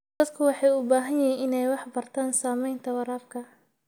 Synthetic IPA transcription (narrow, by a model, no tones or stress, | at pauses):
d̪ɐd̪kʰʊwɑħɑːjʊbaːɦɐnjɪɦiːnɪnɛjwɑħbɐrt̪ʰaːnsaːmɛjnt̪ʰɐwɑɾaːbkʰɐ